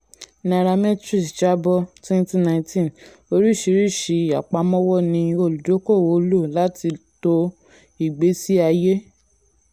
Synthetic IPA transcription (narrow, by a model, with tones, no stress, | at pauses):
na˨ɾa˧mɛ˦tɾi˦˨sd͡ʒa˦bɔ˦twɛ̃˦n˦ti˦nã˧˨ĩ˧tĩ˦n | o˧ɾi˦˨ʃi˧˦ɾi˦˨ʃi˨˧˦a˨k͡pa˧˦mɔ̃˦wɔ˦˨nĩ˧o˧˨lu˨do˨˦ko˦˨wo˨˧˦lo˦˨la˨˦ti˧to˧ | i˨ɡ͡be˨˦si˦a˧je˦